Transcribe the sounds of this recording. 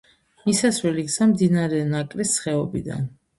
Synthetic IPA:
misasvɛliksamd̪inaɾɛnakʼlisːχɛɔbḭd̪a̰n

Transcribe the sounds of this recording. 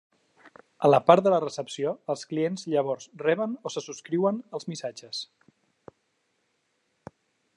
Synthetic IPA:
ələpaɾt̪d̪ələrəsəpsioəlˠsklienzʎəβ̞ɔɾzrɛβənosəsuskɾiwənəlˠzmisad͡ʒəs

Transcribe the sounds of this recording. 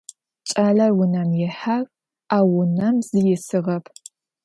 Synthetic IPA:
t͡ʃʼaːɮɐrwʊnɐmjɛħar | aːwʊnɐmzɨjɪsɨʁɐpʰ

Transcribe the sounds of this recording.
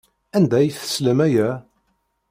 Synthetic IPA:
ænd̪æjθə̥sləmæjæ

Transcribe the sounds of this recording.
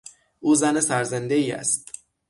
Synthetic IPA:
ʔuːzænesæɾzend̪e̞iːæ̰st̪̚

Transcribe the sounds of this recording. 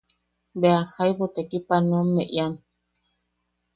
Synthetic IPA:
beahajβot̪ekipanõmːeʔjan

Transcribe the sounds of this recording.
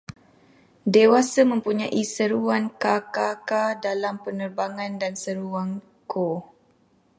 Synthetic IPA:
dewasamə̃mpuɲãʔisəɾuankakakadalampənərbaŋãndansəɾuaŋ | ko

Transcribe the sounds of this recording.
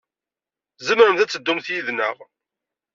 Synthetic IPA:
zəmɾəmθæt͡sːəd̪ːumθjiðnəʁ

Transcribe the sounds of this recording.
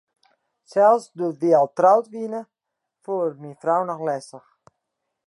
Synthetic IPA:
sɛlˠsdutʋiɔlˠtrawtʋinə | fuərminfrawnɔxlɛsəx

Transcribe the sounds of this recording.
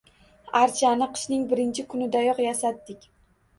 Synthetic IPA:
aɾt͡ʃʰanɪqʰɨ̥ʃnɪŋbɪɾɪnt͡ʃʰɪkʰʊnɪd̪ajɒqjasat̪ːɪkʲ

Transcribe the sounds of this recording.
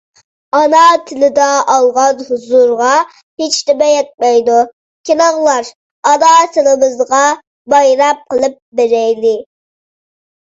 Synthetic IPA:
ɑnɑt̪ʰɪlɪd̪ɑɑlˠʁɑnhuzuɾʁɑ | hɪt͡ʃt̪ɪbɛjɛt̪̚mɛjd̪u | kʲʰelɑʁlˠɑɾ | ɑnɑt̪ʰɪlɪmɨzʁɑ | bɑjɾɑp̚qəlˠɨp̚beɾɛjdɪ

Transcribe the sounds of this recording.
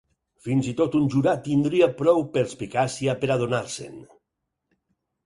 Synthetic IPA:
finzit̪ot̪unʲʒuɾat̪ind̪ɾiapɾɔwpeɾspikasiapeɾaðonaɾsḛn

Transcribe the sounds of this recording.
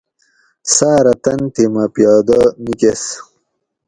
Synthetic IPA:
saːɾɐt̪ɐnt̪imɐpjɑːd̪ɐnikes

